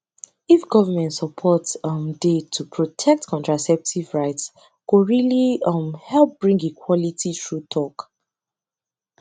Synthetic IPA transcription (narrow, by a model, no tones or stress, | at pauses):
ifɡɔvəmɛ̃ntsəpʰɔtsʌmdetʰupʰɹɔtʰɛk̚tkʰɔ̃ntɹ̥asɛp̚tʰivɹaɪts | kuɹiliʌmhɛlˠp̚b̥ɹĩŋɡikʰwɔlitʰitɹutʰɔk